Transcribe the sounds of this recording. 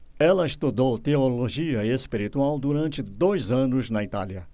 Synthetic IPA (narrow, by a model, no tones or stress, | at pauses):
ɛlɐɪst̪ud̪owt̪eoloʒiɐespiɾit̪uawd̪uɾɐ̃nt͡ʃɪd̪ojzɐ̃nʊznɐit̪a̰ljɐ